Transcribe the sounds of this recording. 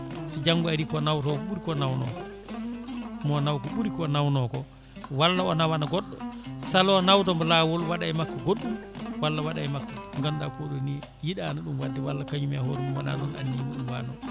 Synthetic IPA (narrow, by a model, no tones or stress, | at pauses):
sid͡ʒaŋɡuaɾikɔnawtɔkɔɓuɾikɔnawnɔ̰kɔ | mɔnawkɔɓuɾikɔnawnɔkɔ | walːaɔnawanaɡɔɗːɔsalɔnawt̬ɔmbɔlawɔlwaɗaɛmakːɔɡoɗːumwalːawaɗajmakːɔŋɡamdapoɗɔni | jiɗanaɗumwadːɛwalːakaɲumiahɔɾɛumwana̰nɔna̰nːiimuɗumwa̰nɔ